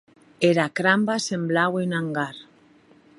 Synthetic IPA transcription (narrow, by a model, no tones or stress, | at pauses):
eɾakɾambasemblawenaŋɡaɾ